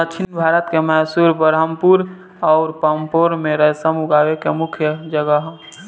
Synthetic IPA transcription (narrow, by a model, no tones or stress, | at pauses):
ət͡ʃʰinbʱaːɾət̪kemɛːsuɾbəɾəmpuɾ | ɔːɾpəmpoɾmẽɾəɦsəmʊɡaːwekemʊkʰjəd͡ʒəɡəɦ